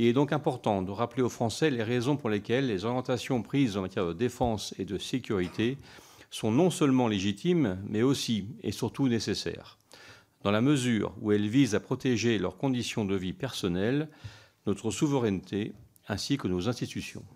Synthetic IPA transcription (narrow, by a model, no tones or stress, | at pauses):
ilɛd̪ɔ̃kɛ̃pɔʁt̪ɑ̃d̪əʁapleofχɑ̃sɛleʁezɔ̃puʁlekʲɛlːezɔʁjɑ̃t̪asjɔ̃pχizɑ̃mat̪jɛʁd̪əd̪efɑ̃sed̪əsekʲyʁit̪ʰe | sɔ̃nɔ̃sœlmɑ̃leʒit̪ʰimːɛosiḛsyʁt̪unesesɛ̰ʁ | d̪̥ɑ̃laməzy̰ʁṵɛlvizapχɔt̪eʒelœ̰ʁkɔ̃d̪isjɔ̃d̪əvipɛʁsɔnɛl | nɔt̪χəsuvəʁɛnt̪ʰe | ɛ̃sikənozɛ̃st̪it̪ysjɔ̰̃